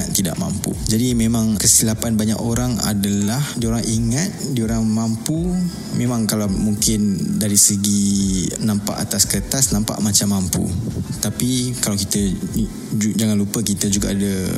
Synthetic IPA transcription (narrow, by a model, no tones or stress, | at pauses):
at̪ida̰ʔma̰mpṵd͡ʒadimẽmãŋkəsilapanbaɲakoɾaŋa̰dalahdioɾaŋʔiŋat̪̚dioɾaŋmampu | memãŋkalawmuŋkɪndaɾisəɡinãmpa̰ʔat̪askət̪asnãmpa̰ʔmat͡ʃamːampṵt̪apikalawkit̪ə | d͡ʒaŋanlupəkit̪əd͡ʒuɡaʔːda